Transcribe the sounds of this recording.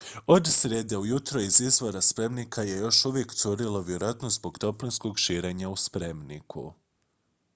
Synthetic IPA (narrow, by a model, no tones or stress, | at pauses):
o̞d̪sɾjed̪eujut̪ɾoizizʋo̞ɾaspɾe̞mnikʰaje̞jo̞ʃuʋje̞kt̪suɾilo̞ʋjeɾoat̪nozbo̞ɡt̪o̞plinsko̞ɡʃiːɾeːɲauspɾe̞mnḭkʰṵ